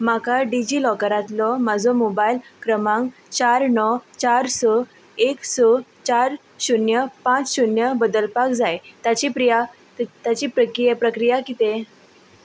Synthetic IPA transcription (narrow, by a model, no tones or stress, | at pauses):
makaɖid͡ʑiːlɔkəɾat̪lɔmad͡zomobailkɾəmãŋɡ | t͡ɕaɾnɔt͡ɕaɾsɔ | eksɔt͡ɕaɾ | ɕunjəpãt͡sɕunjəbəd̪əlpakd͡zajt̪at͡ɕipɾija | t̪at͡ɕiːpɾəkijpɾəkɾijakit̪e